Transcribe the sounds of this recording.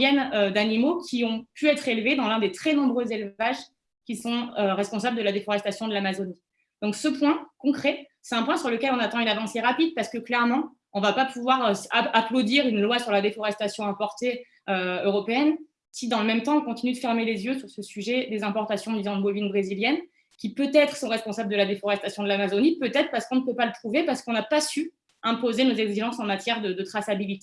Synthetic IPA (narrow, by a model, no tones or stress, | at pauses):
jɛnød̪animokʲiɔ̃pʰyɛt̪χelved̪ɑ̃lɛ̃d̪et̪χɛnɔ̃bʁøzelvaʒ | kʲisɔ̃øʁɛspɔ̃sabləd̪əlad̪efɔʁɛst̪asjɔ̃d̪əlamazoni | d̪̥ɔ̃ksəpwɛ̃kɔ̃kχɛsɛt̪ɛ̃pwɛ̃syʁləkʲɛlɔ̃nat̪ɑ̃ynavɑ̃seʁapid̪̚paʁsə̥kəklɛʁmɑ̃ | ɔ̃vapapuvwaʁøaaplod̪iʁynlwasyʁlad̪efɔʁɛst̪asjɔ̃ɛ̃pɔʁt̪e | øøʁɔpeɛn | sid̪ɑ̃ləmɛmt̪ɑ̃ɔ̃kɔ̃t̪inyd̪əfɛʁmelezjøsyʁsəsyʒɛd̪ezɛ̃pɔʁt̪asjɔ̃d̪izɔ̃d̪əbovinbʁeziljɛn | kʲipøt̪ɛt̪χə̥sɔ̃ʁɛspɔ̃sabləd̪əlad̪efɔʁɛst̪asjɔ̃d̪əlamazonipøt̪ɛt̪χəpaʁsə̥kɔ̃nəpøpalət̪χuvepaʁsə̥kɔ̃napasy | ɛ̃pozenozɛɡziʒɑ̃sɑ̃mat̪jɛʁd̪əd̪ət̪χasabilit̪e